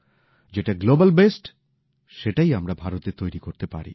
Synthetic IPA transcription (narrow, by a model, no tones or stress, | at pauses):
d͡ʑeʈaɡlobalbesʈ | ʃeʈajamɾabʱaɾot̪et̪ojɾikoɾt̪epa̰ɾḭ